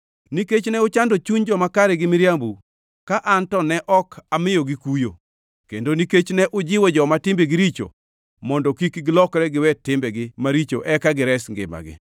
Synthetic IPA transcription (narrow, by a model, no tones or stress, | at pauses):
niket͡ʃnɛʊt͡ʃandot͡ʃuɲd͡ʒɔmakaɾɛɡɪmiɾjambu | kaʔantɔnɛʔɔkʰamɪjoɡikujo | kendoniket͡ʃnɛʔʊd͡ʒɪwɔd͡ʒɔmatɪmbeɡiɾit͡ʃo̰ | mɔndɔkikɡɪlɔkɾɛɡɪwɛtɪmbɛɡɪmaɾit͡ʃo̰ʔɛkaɡɪɾɛsŋɡɪ̰ma̰ɡɪ̰